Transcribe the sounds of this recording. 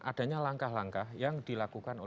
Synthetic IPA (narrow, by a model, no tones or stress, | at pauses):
ʔad̥a̤ɲalaŋkahlaŋkahjaŋd̥ilakukano